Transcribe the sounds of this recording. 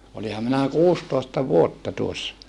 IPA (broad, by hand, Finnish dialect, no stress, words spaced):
olihɑm minæ kuːstoˑestɑ ʋuotːɑ tuosːɑ